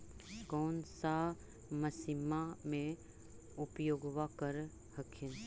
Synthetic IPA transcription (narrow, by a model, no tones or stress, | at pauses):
koːnsa | məsimamẽ | ʊpjoːɡʋakəɾ | həkʰin